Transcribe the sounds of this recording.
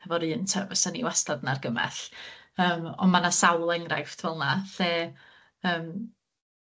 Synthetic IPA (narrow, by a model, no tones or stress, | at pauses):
hɛvɔɾɨːntʰəvəsanḭwastadnarɡəmɛ̰ɬəːmɔ̰nmanasawlˠɛŋrajftʰvɛlˠnaɬeː | əːm